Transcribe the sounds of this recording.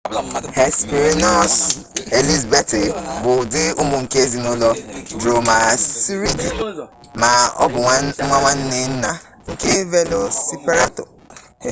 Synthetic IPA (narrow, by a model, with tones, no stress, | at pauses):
he˨spi˨ɾi˦nɔ˦s | e˨li˦zbe˦tɪ˨bʊ˨dɪ˦ʊ˦mʊ˨ŋ̩˨ke˦e˦zi˨nʊ˦lɔ˦dɾo˨ma˨si˦ɾi˦di˨ | ma˨ɔ̰˦bʊ˨˦ŋʷa˦ŋʷa˦n̩˦nɪ˦n̩˦na˨ | ŋ̩˨ke˦ve˦lo˨si˦pe˦ɾa˦to̰˨